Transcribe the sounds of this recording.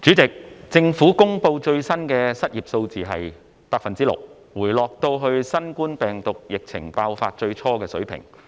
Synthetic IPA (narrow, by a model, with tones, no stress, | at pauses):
t͡ʃyː˨˥t͡sɪ˨k̚t͡sɪ˧ŋfuː˨˥kʊ˥ŋpo˧wt͡ʃɵ˧ɥsɐ˥nkɛː˧sɐ˥t̚jiː˨p̚so˧wt͡siː˨ɦɐ˨j | paː˧kfɐ˨nt͡siː˥lʊ̰˨k̚ | wuː˨˩jlɔː˨k̚t̪o˧wɦɵ˧ɥsɐ˥nkuː˥npɛː˨˩ŋt̪ʊ˨k̚jɪ˨k̚t͡sʰɪ˨˩ŋpaː˧wfa̰ː˧t̚t͡ʃɵ˧ɥt͡sʰɔː˥kɛː˧sɵ̰˨˥ɥpʰɪ̰˨˩ŋ